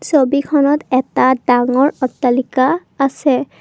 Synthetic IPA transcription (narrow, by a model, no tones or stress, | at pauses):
sobikʰɔnɔtɛtadaŋɔɹɔtːalikaːsɛ